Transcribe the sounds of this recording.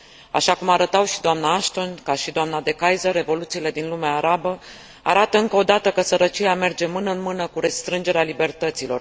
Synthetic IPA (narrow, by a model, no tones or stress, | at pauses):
a̰ʃakumaɾət̪awʃid̪oamnaaʃt̪o̞nkaʃid̪oamnad̪e̞kajzəɾe̞vo̞lut̪siːle̞d̪inlumeaːɾabə | aɾat̪əɨŋkəo̞d̪at̪əkəsəɾət͡ʃijame̞rd͡ʒe̞mɨnəɨnmɨnəkuɾe̞st̪ɾɨnd͡ʒe̞ɾealibe̞rt̪ət̪silo̞̰r